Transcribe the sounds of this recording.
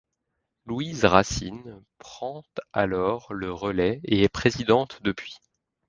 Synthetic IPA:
luizʁasinpχɑ̃t̪a̰lɔʁləʁəlɛeɛpχezid̪ɑ̃t̪d̪əpɥi

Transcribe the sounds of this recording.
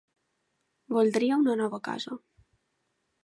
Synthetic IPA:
βuld̪ɾiəunənɔβəka̰zə

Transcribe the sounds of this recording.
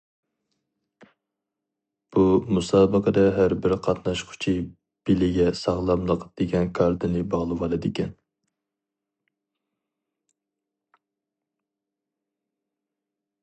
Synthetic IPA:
b̥umusɑːbəqʰəd̪ɛɦæɾbɪɾqʰɑt̪nɑʃqʰʊ̥t͡ʃʰi | b̥ɪlɪɡʲɛsɑʁlˠɑmlˠəqd̪̥eɡʲɛnkʰɑɾd̪ɨnɪbɑʁlˠɨwɑlˠɨd̪ɪkʲɛn

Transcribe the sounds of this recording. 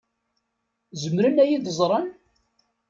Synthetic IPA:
zəmɾənæjiðəzˤɾˤɑn

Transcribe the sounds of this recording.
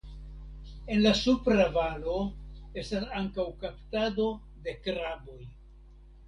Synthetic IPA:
e̞nlasupɾavalo̞e̞stasaŋkawkaptado̞ | de̞kɾabo̞j

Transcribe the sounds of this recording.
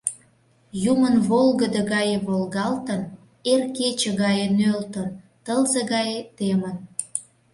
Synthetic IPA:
jumənβolɣəd̪əɣɑjeβolɣɑlt̪ən | erket͡ɕə̆ɣɑjenølt̪ən | t̪əlzəɣɑjet̪emən

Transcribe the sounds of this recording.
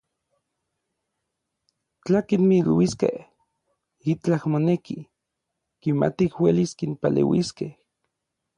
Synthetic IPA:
t͡ɬakinmilwiskḛh | it͡ɬahmoneki | kima̰t̪ihweliskinpalḛwiskeh

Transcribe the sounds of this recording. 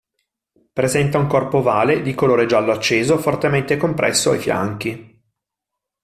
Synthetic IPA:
pɾezɛnt̪auŋkɔrpovaːled̪ikoloːɾed͡ʒalːoat͡ʃːeːzofort̪ement̪ekompɾʔɛ̰sːoa̰jfja̰ŋk̟i

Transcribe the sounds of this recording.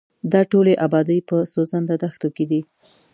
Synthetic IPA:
d̪ɑʈoleʔabɑd̪əjpəsozand̪ad̪axt̪oked̪i

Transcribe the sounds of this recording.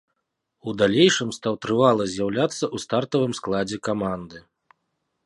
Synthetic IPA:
ud̪alʲejʂɨmst̪awt̪ɾɨvalˠɐzʲjawlʲat̪sːɐʔust̪art̪ɐvɨmsklˠad͡zʲɛkamand̪ɨ

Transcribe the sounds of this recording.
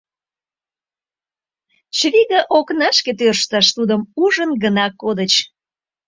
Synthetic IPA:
t͡ɕβiɣəʔoknɑʃket̪̬ørʃt̪ɑʃt̪ud̪əmuʒənɡənɑkod̪ət͡ɕ

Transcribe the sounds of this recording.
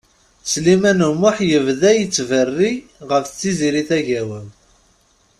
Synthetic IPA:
slimænəmːʊħjəvðæjət͡sːvərːi | ʁəft͡sːiziɾiθæʝæwən

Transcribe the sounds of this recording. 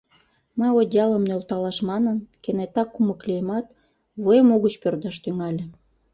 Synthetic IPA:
məjod̪ʲjɑləmnølt̪ɑlɑʃmɑnənkenet̪ɑkːuməklʲijəmɑt̪ | βojəmoɣət͡ɕpørd̪ɑʃt̪yŋɑlʲĕ

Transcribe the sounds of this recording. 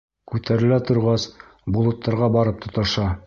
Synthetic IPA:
kʉt̪æɾɘ̆læt̪ŏɾʁɑs | bŏlˠŏt̪ːɑɾʁɑbɑɾɤp̚t̪ŏt̪ɤ̆ʃɑ

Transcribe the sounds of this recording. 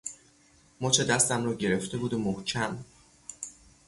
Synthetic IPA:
mɒːt͡ʃʰe̞d̪æst̪æmrɒːɟe̞ɾe̞ft̪e̞buːd̪omohcʰæm

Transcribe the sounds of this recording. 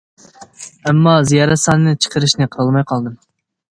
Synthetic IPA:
ɛmːɑzijɑɾɛt̪sɑːnɨnɨt͡ʃʰə̥qʰəɾɨʃnɨqʰəɾɑlˠmɑjqʰɑlˠd̪ɨm

